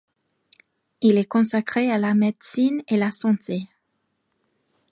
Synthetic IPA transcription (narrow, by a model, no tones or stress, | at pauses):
ilɛkɔ̃sakχealamed̪sinelasɑ̃t̪ʰe